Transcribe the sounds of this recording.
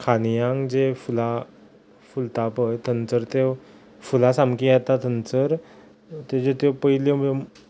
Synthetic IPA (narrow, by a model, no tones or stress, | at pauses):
kʰanijãŋɡd͡ʑefula | fult̪apəjt̪ʰənt͡səɾt̪e | fulasamkijat̪at̪ʰənt͡səɾ | t̪ed͡ʑet̪epəɦile